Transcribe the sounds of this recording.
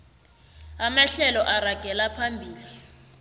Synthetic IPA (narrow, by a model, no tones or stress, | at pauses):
amaɬɛlɔʔaraɡ̥ʱɛlapʰambʱiːli